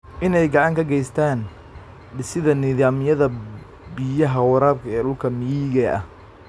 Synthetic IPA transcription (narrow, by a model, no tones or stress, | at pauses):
ʔɪnɛjɡɑʕɑŋkʰɐɡɛjst̪ʰaːn | ɖɪsɪðɐnɪːðaːmɪjɐðɐ | bɪjɐɦɐwɑɾaːb̚kʰɐɛːɗʊlkʰɐmɪjiːɣɛʔɐ̰h